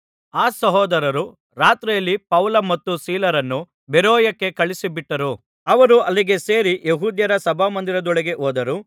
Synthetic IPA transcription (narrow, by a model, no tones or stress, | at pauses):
aːsɐɦɔːd̪ɐɾɐɾu | ɾaːt̪ɾɛjɐlːipɐwlɐmɐt̪ːusiːlɐɾɐnːu | beɾoːjɐkːe̞kɐɭisibiʈːɐɾu | ɐʋɐɾuɐlːiɡe̞se̞ːɾijeɦuːd̪jɐɾɐsɐbʱaːmɐnd̪iɾɐd̪ɔɭeɡe̞ʔoːd̪ɐɾu